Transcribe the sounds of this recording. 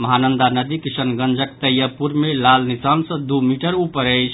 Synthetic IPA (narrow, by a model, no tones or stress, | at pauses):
məɦanənd̪anəd̪ikisənɡənd͡ʒəkt̪əjəpuɾmelalnisansə̃d̪umiʈəɾupəɾəjt͡ʃʰ